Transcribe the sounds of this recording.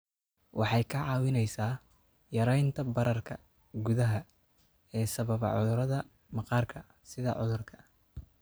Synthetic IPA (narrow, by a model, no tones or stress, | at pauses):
wʔɑħɑjkʰɐʕɑːwɪnɛjsaː | jɐɾɛjnt̪ʰɐbɐɾɐrkʰɐ | ɡʊðɐɦɐ | ɛːsɐβɐβɐ̰ʕʊ̰ðʊɾɐðɐ | mɑqɑːrkʰɐ | sɪðɐ̰ʕʊðʊrkʰɐ̥